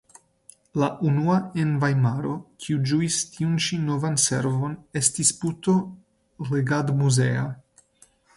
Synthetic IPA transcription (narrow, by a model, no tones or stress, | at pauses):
laʔunuaenvajmaɾo̞kʰiud͡ʒuistiunʃino̞vanse̞̰ɾvo̞ne̞stisputo̞ | leɡadmuzea